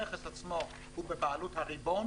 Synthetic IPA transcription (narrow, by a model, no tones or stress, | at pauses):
eχesat͡smo | hubebaaluthaʁibo